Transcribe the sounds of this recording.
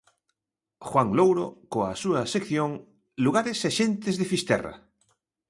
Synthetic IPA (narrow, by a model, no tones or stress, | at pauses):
xwaŋlowɾokoa̰suɐsekθjoŋ | luɣaɾeseʃẽnt̪ezðefist̪ɛ̰ra̰